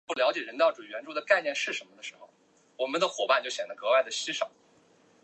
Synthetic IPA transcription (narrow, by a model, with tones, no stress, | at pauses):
u˥˩ljɑ˧˥ʊt͡ɕjɛ˨˩ɻə˧˥nt̪ɑ˥˩ʊʈ͡ʂu˨˩ɥɛ˧˥nʈ͡ʂu˥d̪ə˨ka˥˧ɪnjɛ˥˧nʂɻ̩˥˩ʂə˧˥nmə˧d̪ə˩ʂɻ̩˧˥xo˧ʊ | wɔ˨˩mə˦nd̪ə˧xwɔ˨˩pa˥˧nt͡ɕjo˥˩ʊɕjɛ˨˩nd̪ə˦kɤ˧˥wa˥˩ɪd̪ə˩ɕi˥ʂɑ˨˩˦